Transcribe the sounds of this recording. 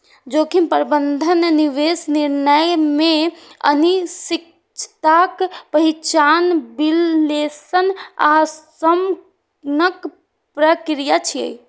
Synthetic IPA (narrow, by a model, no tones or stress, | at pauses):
d͡ʒokinpəɾbənd̪ʱənniʋesniɾnəjmẽə̰nisik̚ | t͡ʃʰt̪akpəɦit͡ʃanbilːesəna̰səm | nək | pɾəkɾijat͡ʃʰijə̰j